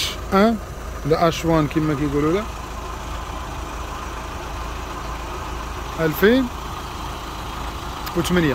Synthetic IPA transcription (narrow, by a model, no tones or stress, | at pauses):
ʔæ | læʔæʃwænkimːækæjɡululæ | ʔælfin | wt̪mənjæ